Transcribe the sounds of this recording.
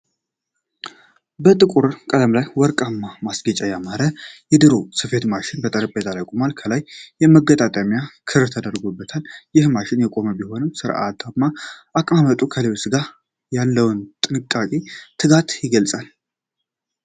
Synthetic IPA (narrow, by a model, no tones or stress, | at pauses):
bət̪ʼɨkʼuɾkʼələmlajwɔɾkʼamːamasɡət͡ʃʼajamaɾəjɛd̪ɨɾosɨfe̞t̪maʃɪnbət̪ʼəɾəpʼːet̪ʰʼalajkʼumalkʰəlajːɛməɡət̪ʼat̪ʼəmjakʰɨɾɾt̪ʰəd̪əɾɡobːət̪ʰaljɪhmaʃɪnjɛkʼo̞məbiho̞nɨmsɨɾʔa̰t̪ʰamːaʔakʼmamət̪ʼukʰəlewsɨɡa | jalːəwnt̪ʼɨnɨkʼːakʼet̪ʰɨɡat̪jɪɡəlt͡sʼal